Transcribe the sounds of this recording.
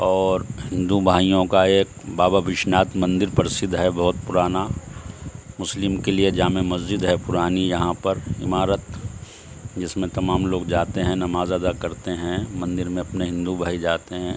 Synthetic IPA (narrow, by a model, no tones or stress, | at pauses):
ɔːɾɦɪ̃nd̪ubʱaːijõkaeːk̚baːbabʱɪʃnaːt̪mɐ̃nd̪ɪɾpɐɾsɪd̪ɦɛbɐɦʊt̪̚pʊɾaːna | mʊslɪmkelied͡ʒaːmemɐzd͡ʒɪd̪ɦɛpʊɾaːnijɐɦãpɐɾɪ̰maːɾət̪ | d͡ʒɪsmẽt̪ɐmaːmloːɡd͡ʒaːt̪eɦɛ̃nɐmaːzad̪akɐɾt̪eɦɛ̃mɐ̃nd̪ɪɾmẽɐpneɦɪ̃nd̪ubʱaːid͡ʒaːt̪eɦɛ̃ː